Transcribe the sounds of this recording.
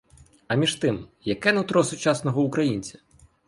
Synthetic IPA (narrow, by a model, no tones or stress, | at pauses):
ɐmʲiʃt̪ɪmjɐkɛnɛt̪ɾɔsʊt͡ʃɑsnɔɦɔukɾɐjinʲt͡sʲɐ̥